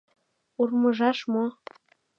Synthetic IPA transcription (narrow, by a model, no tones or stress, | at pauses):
urmɤ̆ʒɑʃmo